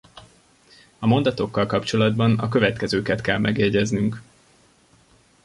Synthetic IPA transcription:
ɒmo̞nd̪ɒt̪o̞kːɒlkɒpt͡ʃo̞lɒd̪bɒnɒkø̞vɛt̪kɛzøːkɛt̪kɛlmɛɡɛɟɛznyŋk

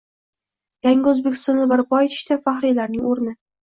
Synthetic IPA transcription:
jaŋʲaɵzbekʲʰɪ̥st̪ɒnɪbaɾbɒet̪ʰɪ̥ʃt̪afaχɾijlaɾnɪŋoɾnɪ

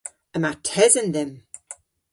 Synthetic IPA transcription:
əmatʰɛzənðɛm

